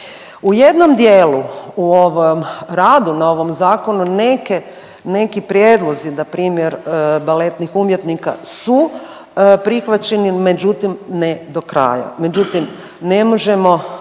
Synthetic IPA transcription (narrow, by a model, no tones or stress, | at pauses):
uje̞d̪no̞md̪jeːluuoʋomɾaːd̪unao̞ʋo̞mzaːko̞nuneke | ne̞kipɾjeːd̪lˠo̞zinapɾiːmjeɾbale̞t̪nixumjet̪nika̰su | pɾixʋat͡ʃe̞nime̞d͡ʑut̪imned̪o̞kɾa̰ːja̰me̞d͡ʒut̪im | ne̞mo̞ʒe̞mo̞